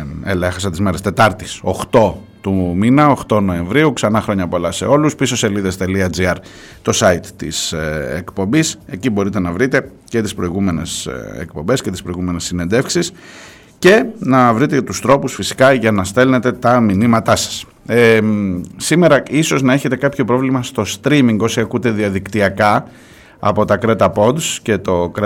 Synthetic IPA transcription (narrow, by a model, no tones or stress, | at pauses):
elɐexɐsɐt̪izme̞ɾest̪e̞t̪ɐɾt̪isoxt̪o̞ | t̪uminɐoxt̪o̞no̞e̞ɱvɾiuksɐnɐxɾo̞ɲɐpo̞lɐse̞̰o̞luspisoseliðest̪e̞liɐd͡ziɐɾ | t̪o̞sɐit̪t̪ḭsekpo̞mbise̞cibo̞ɾit̪e̞nɐvɾit̪e̞ | ce̞t̪ispɾo̞iɣume̞nesḛkpo̞mbe̞sce̞t̪ispɾo̞iɣume̞nesːine̞nd̪e̞fksis | ce̞nɐvɾit̪et̪ust̪ɾo̞pusfisi̥kɐʝɐnɐst̪e̞lne̞t̪e̞t̪ɐminimɐt̪ɐsɐ̥s | sime̞ɾɐiso̞znɐeçe̞t̪e̞kɐpço̞pɾo̞vlimɐst̪o̞st̪ɾimiŋɡosiɐkut̪e̞ðiɐðikt̪iɐkɐ | ɐ̰po̞t̪ɐkɾet̪ɐpo̞d̪sce̞t̪o̞k